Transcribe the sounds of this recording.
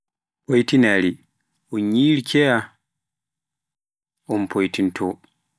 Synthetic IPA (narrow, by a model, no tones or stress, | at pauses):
pojtinaɾi | ɔɲiːɾkʰɛja | ʔɔmpʰojtintʰɔ